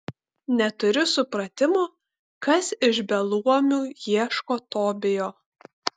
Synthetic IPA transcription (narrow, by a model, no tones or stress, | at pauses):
nʲɛt̪ʊɾʲʊsʊpɾɐt̪ʲɪmoː | kɐsɪʒbʲɛlˠuɔmʲujiɛʃkoːt̪oːbʲɪjoː